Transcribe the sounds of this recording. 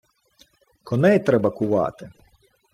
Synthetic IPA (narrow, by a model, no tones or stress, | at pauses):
kɔnɛjt̪ɾɛbɐkʊʋɑ̰t̪ɪ